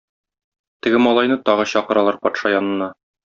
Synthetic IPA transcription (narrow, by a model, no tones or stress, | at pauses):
t̪ɘ̆ɡɘmɒlˠɑjnɤt̪ɒʁɤɕɒqɤ̆ɾɑlˠɑɾpɒt̪ʃɑjɒnɤ̆nːɑ